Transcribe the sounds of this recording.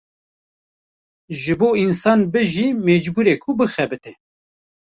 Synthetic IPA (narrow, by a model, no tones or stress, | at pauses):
ʒɨboːinsɑːnbɨʒiːmeːd͡ʒbuːɾeːkʰubɨxɛbɨt̪ɛ